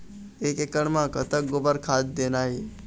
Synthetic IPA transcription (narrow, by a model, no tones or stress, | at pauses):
ekekəɳmãkət̪ək̚ɡobəɾkʰad̪̚d̪enai